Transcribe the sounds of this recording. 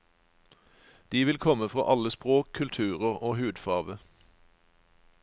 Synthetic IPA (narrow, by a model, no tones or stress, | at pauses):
d̪̥iːʋɪlkʰɔməfʁo̰ːʔɑləspʁoːkʰʉlt̪ʰʉːʁəʁoːhʉːd̪fɑːʁʋə